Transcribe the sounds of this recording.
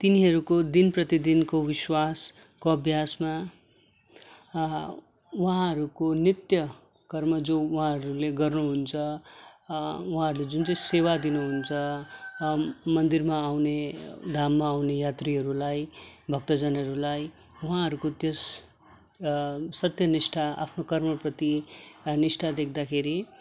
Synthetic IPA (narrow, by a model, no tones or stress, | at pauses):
t̪iniɦʌɾukod̪inprʌt̪id̪inkowiswas | koʌbʱjasma | wuɦãɦʌɾukonit̪jʌ | kʌrmʌd͡zouɦãɦʌɾuleɡʌrnuɦunt͡sʰʌ | uɦãʌɾuled͡zunt͡sʌĩsewad̪inuɦunt͡sʰʌ | mʌnd̪irmaːwned̪ʱamːaːwnejat̪riɦʌɾulajbʱʌk̚t̪ʌd͡zʌnʌɾulaj | uɦãɦʌɾukot̪jes | sʌt̪jʌnisʈʰaa̰pʰnokʌrmʌprʌt̪inisʈʰad̪ekʰd̪akʰeɾi